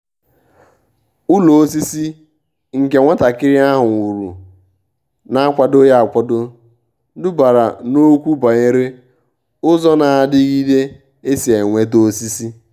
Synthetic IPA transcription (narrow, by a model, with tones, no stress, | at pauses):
ʊ˦lo˨o˦s̬i˦si˦ | ŋ̩˨ke˨ŋʷa˦ta˨kɪ˦ɾɪ˦a˦ɦʊ˨ŋʷu˨ɾṵ˨ | na˦a˦kʷa˦do˦ja˦a˨kʷɔ˦do˦ | dʊ˦ba˨ɾa̰˨no˦kʷu˦ba˨ɲe˦ɾe˦ | ʊ˦zɔ˦na˨a˨dɪ˦ɣi˦de˦ | e˦si˨e˨ŋʷe˦t̬o˦si˦si˦